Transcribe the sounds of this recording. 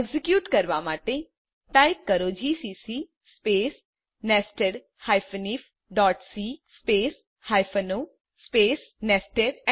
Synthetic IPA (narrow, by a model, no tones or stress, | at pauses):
ɡzɪkjuːʈkɐɾʋamaːʈe | ʈaːɪp̚kɐɾoːd͡ʒʱiːsiːsi | speːs | nɛːsʈeɖ | hajfəniːf | ɖɔːʈsispeːs | haːjfʰəno | speːs | nɛːsʈeɖ